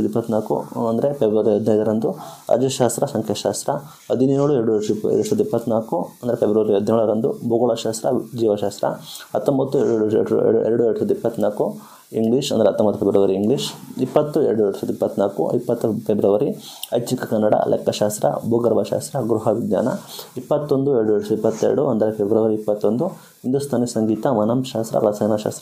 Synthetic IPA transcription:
ɐd̪ipːɐt̪ːnaːkṵɐnd̪ɐɾepebɾɐʋɐɾiɦɐd̪nɐjd̪ɐɾɐnd̪uɐ̰d͡ʒɐʃaːst̪ɾɐsɐŋkʰjɐʃaːst̪ɾɐ | ɦɐd̪iniɾɭueɾɽuḛɽuʂɐːd̪ipːɐt̪ːnaːkuɐnd̪ɐɾepʰebɾɐʋɐɾiɦɐd̪ineɭɐɾɐnd̪uboɡɐɭɐʃaːst̪ɾɐd͡ʒiːʋɐʃaːst̪ɾɐɐt̪ːombɐt̪ːueɾɽuɽṵɽueɾɐɽueɾɽusɐd̪uipːɐt̪ːnaːku | iŋɡliːʃɐnd̪ɾeɐt̪ːombɐt̪ːufʰebɾɐʋɐɾiiŋɡliʃipːɐt̪ːuḛɾɐɽueɽusɐd̪uipːɐt̪ːnaːkṵipːɐt̪ːupebɾɐʋɐɾi | ɐjt͡ʃikɐkɐnːɐɽɐ̰lʔɛ̰kːɐʃaːst̪ɾɐ̰boːɡɐɾbɐʃa̰ːst̪ɾɐɡɾuɦɐʋid̪ja̰ːnɐ̰ipːɐt̪ːond̪ueɾɐɽueɽusɐd̪ipːɐt̪ːḛɾɐɽuɐnd̪ɐɾepebɾɐʋɐɾiipːɐt̪ːond̪u | ɦind̪ust̪ʰaːnisɐŋɡiːt̪ɐmɐnɐmʃaːst̪ɾɐ̰ɾɐsɐjnɐʃa̰ːst̪ɾɐ

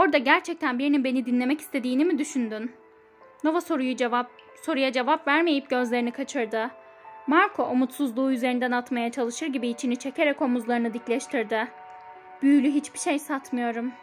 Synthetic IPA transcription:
o̞ɾd̪aɟæɾt͡ʃʰɛc̚t̪ʰænbiɾininbe̞nid̪inlʲe̞mɛcist̪ʰe̞d̪iːnimid̪yʃynd̪ynː | o̞vasoɾuju | so̞ɾujad͡ʒe̞vapvæɾme̞jip̚ɟø̞zlʲe̞ɾinikʰat͡ʃʰɯɾd̪ɯ | maɾkʰo̞ʔomut̪suzlˠuːyze̞ɾind̪ænat̪majat͡ʃʰalˠɯʃɯɾɟibiːt͡ʃʰinit͡ʃʰe̞cʰe̞ɾɛko̞muzlˠaɾɯnɯd̪iclʲɛʃt̪ʰiɾd̪ɪ | b̥yjylʲyɦit͡ʃbiʃejsat̪mɯjo̞ɾum

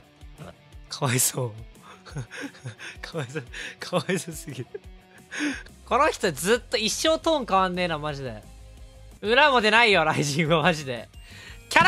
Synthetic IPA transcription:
kʰaβaisoː | kʰaaisokʰaβaisosɨɡʲi | ko̞noçʲi̥t̪od͡zɨt̪ːoiɕːoːt̪õːŋkaβãnːe̞ːnamaʑid̪e̞̰ | ɯ̟ɾamod̪e̞naijoɾaiʑĩɰ̃βamaʑid̪e̞ | kʲaɾ

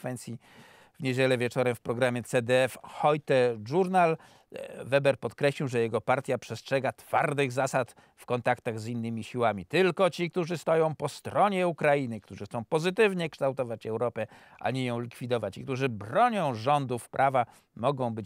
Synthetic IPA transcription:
fɛnt̪sʲji | vɲed͡ʑɛlɛvʲjɛt͡ʂɔɾɛmfpɾɔɡɾamʲjɛt̪sɛd̪ɛɛfxɔjt̪ɛʐuɾnal | vɛbɛɾpɔt̪kɾɛɕliwʐɛjɛɡɔpaɾt̪ʲjapʂɛstʂɛɡat̪faɾd̪ɘɣzasat̪ | fkɔnt̪akt̪aɣzinːɘmʲiɕiwamʲit̪ɘlkɔt͡ɕik̚t̪uʐɘst̪ɔjɔ̃w̃pɔst̪ɾɔɲɛukɾajinɘkt̪uʐɨxt̪sɔ̃w̃pɔzɘt̪ɘvɲɛkʂt̪awt̪ɔvat͡ɕɛwɾɔpɛ | ʔa̰ɲɛjɔ̃w̃lʲikfʲid̪ɔvat͡ɕik̚t̪uʐɘbɾɔɲɔ̃w̃ʐɔnd̪ufpɾʔava | mɔɡɔ̃w̃bɘ

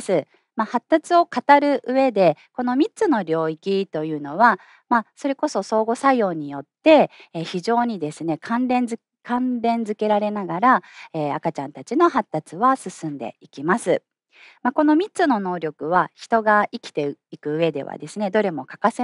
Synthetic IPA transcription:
sɨ | mahat̪ːat͡sɨo̞kat̪aɾɯ̟ʔɯ̟e̞d̪e̞ko̞no̞mʲit͡sɨno̞ɾʲo̞ːikʲit̪o̞jɯ̟ːno̞βa | maso̞ɾe̞ko̞so̞so̞ːɡo̞sajo̞ːɲ̟ijo̞t̪ːe̞ːçiʑo̞ːɲ̟id̪e̞sɨne̞kʰãnɾẽ̞nz | kãnɾẽ̞nd͡zɨke̞ɾaɾe̞naɡaɾaeːakat͡ɕãnt̪at͡ɕino̞ɦat̪ːat͡sɨβasɨsɨ̃nd̪e̞̰ikʲimasɨ | mako̞no̞mʲit͡sɨno̞no̞ːɾʲo̞kɯ̟βaçi̥t̪o̞ɡaikʲi̥t̪e̞ikɯ̟ːe̞d̪e̞̰βa̰d̪e̞sɨne̞d̪o̞ɾe̞mo̞kḁkase

